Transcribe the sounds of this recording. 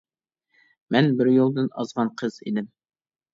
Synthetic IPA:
mɛnbɪɾjolˠd̪ɨnɑ̰zʁɑnqʰəzḛd̪ɪm

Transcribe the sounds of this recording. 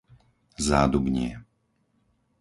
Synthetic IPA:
zaːd̪ubɲɪɛ

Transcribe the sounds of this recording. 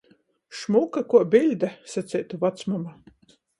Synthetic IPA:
ʃmukakuɔbʲilʲd̪asat̪sʲɛjt̪uvat̪smama

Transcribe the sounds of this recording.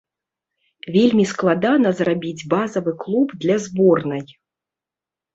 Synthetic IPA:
vʲelʲmʲisklˠad̪anɐzrabʲid͡zʲbazɐvɨklˠubd̪lʲazbɔrnɨj

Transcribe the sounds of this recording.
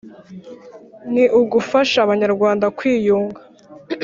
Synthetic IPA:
niʔuɡufaʃaβaɲaɾɡwaːndakwiːjuːŋɡḁ

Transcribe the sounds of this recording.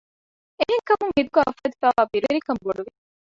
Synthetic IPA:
eɦeŋkɐmuŋhid̪uɡɐɐfɐt̪ifæːʋaːbiɾeɾikɐmboɖuʋi

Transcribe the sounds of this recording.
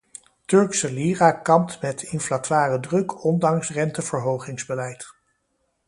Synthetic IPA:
tɵɹksəliːrakɑmtmɛtɪnflatʋaːrədrɵkɔndɑŋsrɛntəv̥əɹɦowχɪŋzbəlɛjt

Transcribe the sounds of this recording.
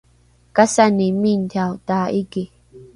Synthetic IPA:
kasanĩmĩnd̪ʰaut̪aʔiki

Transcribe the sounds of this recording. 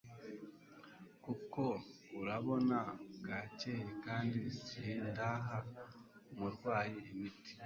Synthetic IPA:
kuko̞ | uɾaβo̞naɡacehekaːndisiindaɦaomuɾɡwaːjeːmiti̥

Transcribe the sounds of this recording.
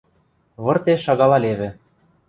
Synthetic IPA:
βɤ̆rt̪eʃɑɣɑlˠɑleβɘ̆

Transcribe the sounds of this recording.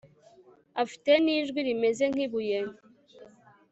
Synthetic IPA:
afi̥teniʒɡʷiɾimezeŋ̥ibujen

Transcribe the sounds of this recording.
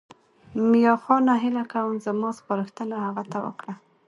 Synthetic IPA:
mjɑxɑnaɦɪlakawəmzamɑspɑɾəxt̪ənahaɣat̪awə̰kɽa

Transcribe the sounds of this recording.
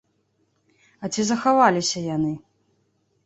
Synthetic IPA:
ɐt͡sʲizɐxavalʲisʲɐjanɨ

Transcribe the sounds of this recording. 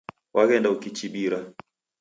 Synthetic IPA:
wʔaɣɛndaukit͡ʃiɓiɾa

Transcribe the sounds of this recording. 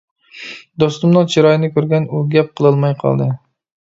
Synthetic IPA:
d̪ost̪ʊmnɨŋt͡ʃʰiɾɑjɪnɪkʲʰøɾɡʲɛnuɡʲɛp̚qʰəlˠɨlˠmɑjqʰɑ̰lˠd̪ɨ

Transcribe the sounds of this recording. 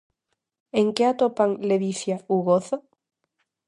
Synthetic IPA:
eŋkeat̪opaŋleðiθjauɣoθo

